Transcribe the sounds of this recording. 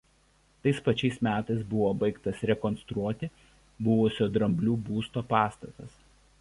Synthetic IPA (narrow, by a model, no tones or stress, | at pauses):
t̪ɐɪspɐt͡ʃʲɛɪsmʲæːt̪ɐɪsbʊʋoːbɐɪkt̪ɐsɾʲɛkɔnst̪ɾuɔt̪ʲɪ | bʊʋʊsʲoːd̪ɾɐmʲbʲlʲuːbuːst̪oːpɑːst̪ɐt̪ɐs